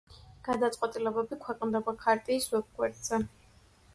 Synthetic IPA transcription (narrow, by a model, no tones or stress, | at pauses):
ɡ̥ad̪at̪sʼqʼwɛt̪ʼilɛbɛbikʰwɛqʼnd̪ɛbakʰaɾt̪ʼiːswɛb̚ɡwɛɾd̪ʼz̥ɛ